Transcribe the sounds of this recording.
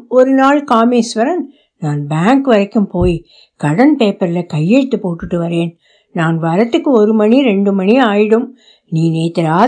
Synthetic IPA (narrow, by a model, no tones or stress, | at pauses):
ɔɾɯnaːɭkaːmeːsʋɐɾɐn | naːnbaːŋkɯʋɐɾɐkːɯmpoːj | kɐɽɐnpeːpːɐɾɪlɐkɐjːɛɻɯt̪ːɯpoːʈːɯʈːɯʋɐɾeːn | naːnʋɐɾɐt̪ːɯkːɯɔɾɯmɐniɾɛɳɖɯmɐniaːjɪɽɯm | niːneːt̪ːɐɾaː